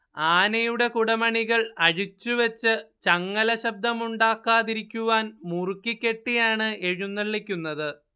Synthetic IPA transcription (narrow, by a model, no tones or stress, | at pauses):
aːnɐjuɽe̞kuɽɐmɐɳiɣɐɭɐɻit͡ɕːuʋɐt͡ɕːɨt͡ɕɐŋːɐlɐɕɐb̚d̪ʱɐmuɳɖaːkːaːðiɾikʲːuʋaːnmurkːikʲːe̞ʈːijaːɳɨʔe̞ɻunːɐɭːikʲːunːɐðɨ